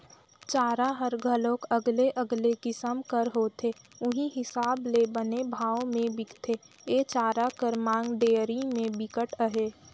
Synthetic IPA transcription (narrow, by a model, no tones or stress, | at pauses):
t͡ʃaːɾaɦəɾɡʱəlõːkəɡleʔəɡlekɪsəmkəɾɦoːt̪ʰeː | ʊɦĩɦɪsaːblebənebʱaːomẽbɪkt̪ʰe | et͡ʃaːɾakəɾmãːŋɡɖeːəɾimẽbɪkəʈəɦeː